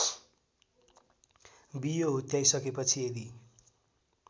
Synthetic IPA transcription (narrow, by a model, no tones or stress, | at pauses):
bijoɦot̪jajsʌkepʌt͡sʰied̪i